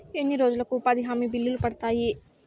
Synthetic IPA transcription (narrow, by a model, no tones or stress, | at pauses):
enːiɾoːd͡ʒɐlɐkːupad̪iɦaːmibilːulupɐɽt̪aːji